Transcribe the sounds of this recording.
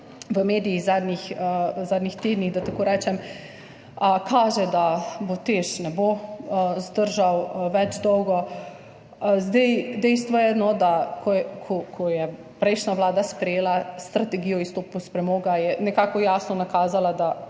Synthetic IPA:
ʋəmeːd̪ijːɣzad̪nixzaːd̪nixt̪eːd̪niɣd̪at̪akoːɾɛːt͡ʃɛm | əkʰaːʒɛd̪abot̪eʃnɛbozd̪əɾʒawʋɛd͡ʒd̪ɔwɡɔ | zd̪ɛjd̪ɛjst̪ʋɔjɛnɔd̪akʰɔkʰɔkʰɔjɛ | pɾɛjʃnaʋlaːd̪aspɾɛjeːlast̪ɾat̪ɛɡijɔist̪oːpuspɾɛmoːɡajɛnɛkaːkɔjaːsnɔnakaːzalad̪a

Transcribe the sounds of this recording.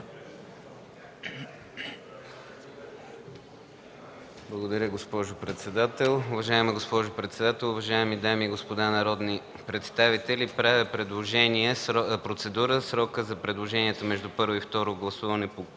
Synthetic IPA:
blˠəɡod̪ɐɾʲəɡospɔʒʊpɾɛt̪sɛd̪at̪ɛlˠʊvɐʒaɛməɡospɔʒʊpɾɛt̪sɛd̪at̪ɛlˠʊvɐʒaɛmid̪amiɡospod̪anɐɾɔd̪ni | pɾɛt̪st̪avit̪ɛlipɾavɛpɾɛd̪lˠoʒɛniɛpɾot̪sɛd̪uɾəsɾɔkəzɐpɾɛd̪lˠoʒɛniɛt̪əmɛʒd̪upɤɾvoift̪ɔɾoɡlˠɐsuvɐnɛpo

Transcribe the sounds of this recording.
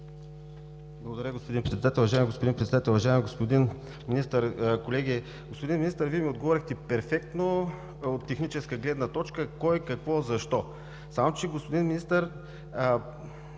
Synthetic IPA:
blˠɐɡod̪ɐɾʲəɡospod̪inpɾɛt̪ɛd̪at̪ɛlˠʊvɐʒajɛmiɡospod̪inpɾɛt̪sɛd̪at̪ɛlˠuvɐʒaɛmiɡospod̪in | minist̪əɾkolɛɡʲi | ɡospod̪inminist̪əɾviɛmiod̪ɡovɔɾixt̪ɛpɛɾfɛk̚t̪no | ot̪ːɛxnit͡ʃɛskəɡlɛd̪nɐt̪ɔt͡ʃkəkɔjɛkɐkvɔzɐʃt̪ɔ | samot͡ʃɛɡospod̪inminist̪əɾ

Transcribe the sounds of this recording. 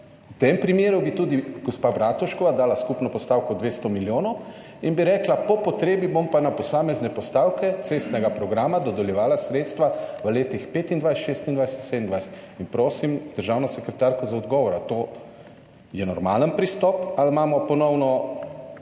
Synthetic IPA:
wt̪empɾimjeːɾubit̪uːd̪iɡ̥ɔspabɾaːt̪ɔʃkɔʋad̪aːlaskupnɔpɔst̪aːwkɔd̪ʋeːst̪ɔmiljoːnɔw | inbiɾɛːklapɔpɔt̪ɾeːbibompanapɔsaːmɛznɛpɔst̪aːwkɛt̪seːst̪nɛɡapɾɔɡɾaːmad̪ɔd̪ɛljɛʋaːlasɾeːt̪st̪ʋaʋəleːt̪ixpeːt̪ind̪ʋajsɛʃeːst̪ind̪ʋajsɛ̥t̪sɛd̪ənd̪ʋajsɛ̥t̪inpɾoːsimd̪̥əɾʒaːwnɔsɛkɾɛt̪aːɾkɔzaɔd̪ɡɔːʋɔɾat̪oː | jɛnɔɾmaːlənpɾist̪ɔpalmaːmɔpɔnɔwnɔ

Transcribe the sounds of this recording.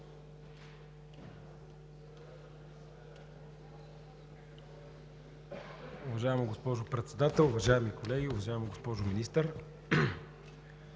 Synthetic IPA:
ʊvɐʒaɛmoɡospɔʒʊpɾɛt̪sɛd̪at̪ɛlˠʊvɐʒaɛmikolɛɡʲiʊvɐʒaɛmoɡospɔʒʊminist̪əɾ

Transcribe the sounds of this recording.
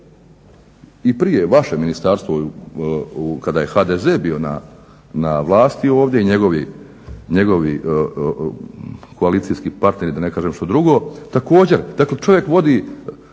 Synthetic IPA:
ipɾije̞ʋaʃeminist̪aːɾst̪ʋo | ukad̪aːje̞xaːd̪ezeːbijo̞na̰ | naʋlˠaːst̪io̞ːʋd̪ʲje̞iɲe̞ɡo̞ʋi | ɲe̞ɡo̞ʋi | kʰoaliːt̪sijskipaɾt̪ne̞ɾid̪ane̞kaːʒemʃt̪od̪ɾuɡo̞t̪ako̞ːd͡ʑe̞ɾd̪aklet͡ʃo̞ʋje̞kʋo̞d̪iː

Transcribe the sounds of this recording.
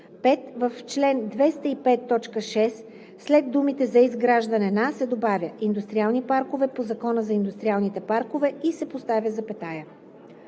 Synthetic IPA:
pɛt̪vəft͡ʃlɛnd̪vɛst̪əipɛt̪ːɔt͡ʃkəʃɛsː | lɛd̪d̪umit̪ɛzɐizɡɾaʒd̪ɐnɛnasɛd̪obavʲjəʔind̪ust̪ɾialˠnipaɾkovɛpozɐkɔnəzɐind̪ust̪ɾʲialˠnit̪ɛpaɾkovɛisɛpost̪avʲjəzɐpɛt̪ajə

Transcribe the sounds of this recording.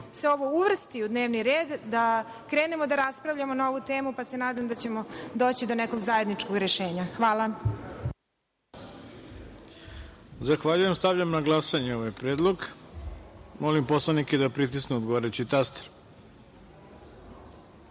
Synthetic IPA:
seo̞ʋo̞uʋr̩st̪iud̪ne̞ːʋniɾeːd̪ːa | kɾe̞ːne̞mo̞d̪aɾaspɾaʋʎamo̞naoʋut̪eːmupasenaːd̪amd̪at͡ɕe̞mo̞d̪o̞ːt͡ɕid̪oneko̞ɡzaje̞d̪nit͡ʃkoɡɾeʃe̞ːɲaxʋaːla | zaxʋaʎuje̞mst̪aʋʎamnaɡlˠasaɲeoʋajpɾeːd̪lˠoɡ | molimposlˠaniked̪apɾit̪̬isneod̪ɡoaɾet͡ɕit̪ast̪e̥ɾ

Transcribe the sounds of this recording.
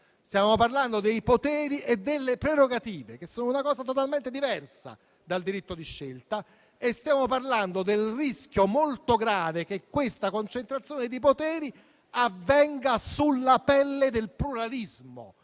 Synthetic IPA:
st̪jaːmoparland̪od̪ejpot̪ɛːɾiʔed̪ːelːepɾeɾoɡat̪iːvek̟esːoːnounakɔːzat̪ot̪alment̪ed̪ivɛrsa̰ | d̪ald̪iɾit̪ːod̪iʃːelt̪a | est̪jaːmoparland̪od̪elrisk̟jomolt̪oɡɾaːvek̟ekːwest̪akont͡ʃent̪ɾat̪sːjoːned̪ipot̪ɛːɾi | avːɛŋɡasulːapɛlːed̪elpluɾalizmo̰

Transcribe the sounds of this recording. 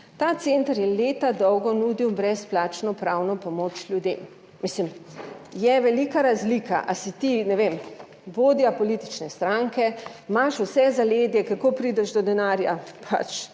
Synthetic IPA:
t̪aːt̪sent̪aɾjɛleːt̪ad̪ɔwɡɔnud̪iwbɾɛsplaːt͡ʃnɔpɾawnɔpɔmoːt͡ʃlʲjud̪eːmː | islimjɛʋɛlikaɾazliːka̰ʔasit̪inɛʋem | ʋoːd̪ijapɔlit̪i̥t͡ʃnɛst̪ɾaŋkɛmaʃusɛzaleːd̪jɛkakopɾiːd̪ɛʃd̪ɔd̪ɛnaːɾja̰pʰa̰t͡ʃ

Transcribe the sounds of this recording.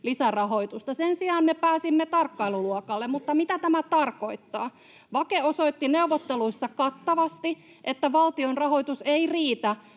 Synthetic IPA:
lisærɑho̞it̪ust̪ɑsensiɑːnmepæːsimːet̪ɑrkːɑiluluokɑlːemmut̪ːɑmit̪æt̪æmæt̪ɑrkoit̪ːɑ̰ː | ʋɑkeosoit̪ːineuʋot̪ːeluisːɑkɑt̪ːɑʋɑst̪i | ʔet̪ːæʋɑlt̪ionrɑhoit̪useiriːt̪æ

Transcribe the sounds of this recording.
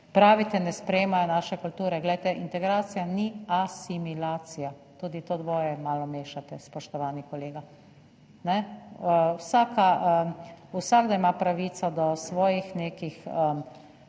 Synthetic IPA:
pɾaːʋit̪ɛnɛspɾɛjeːmajɔnaːʃɛkult̪uːɾɛɡlɛjt̪ɛʔint̪ɛɡɾaːt̪sijaniasimilaːt̪sija | t̪uːd̪it̪oːd̪ʋoːjɛmaːlɔmeːʃat̪ɛspɔʃt̪ɔʋaːnikɔleːɡa | nɛ | wsaːkaəusaːɡd̪aimapɾaʋiːt̪sad̪ɔsʋɔːjixneːkixə

